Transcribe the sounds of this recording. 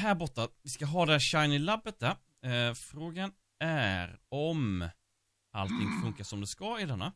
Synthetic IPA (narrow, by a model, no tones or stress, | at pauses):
ɦæɾbɔt̪ːavɪskaɦɑːd̪ɛhæɕaɪnɪlabːət̪̚d̪æɾ | fɾoːɡan | æɾɔm | a̰lt̪ʰɪŋfɵŋkasɔmd̪ɛskɑɪd̪ɛnːa